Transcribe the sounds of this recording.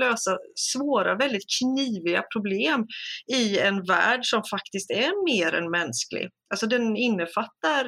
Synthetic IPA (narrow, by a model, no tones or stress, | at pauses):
øːsasvoːɾavɛld̪ɪt̪̚kʰniːvɪɡa̰pʰɾʊbleːmɪɛnvæ̰ːɖʂɔmfakt̪ɪst̪ɛɾmeːɾɛ̰nmɛnsklɪ̰ʔalsɔd̪ɛnɪnːəfat̪ːaɾ